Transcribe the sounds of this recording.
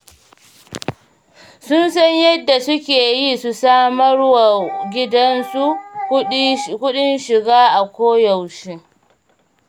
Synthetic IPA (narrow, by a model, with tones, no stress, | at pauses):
sʊ˦nsɐ˦ɲjɐ˦dːa˨sʊ˦kʲeː˨jiː˦su˨saː˦mɐ˦ɽwa˨ɡʲɪ˦dɐ˦nsu˦ | kʷʊ˦ɗɪ˦nʃɪ˨ɡaː˦ʔa˨kʷoː˦jɐ˨wʃi˦